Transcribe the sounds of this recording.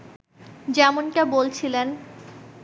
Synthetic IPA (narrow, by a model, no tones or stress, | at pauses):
d͡ʑɛmonʈabolt͡ɕʰilen